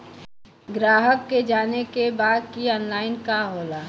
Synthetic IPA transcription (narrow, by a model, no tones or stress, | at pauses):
ɡɾaːɦəkːed͡ʒaːnekebaːd̪̚kiɔːnlaːɪnkaɦoːlaː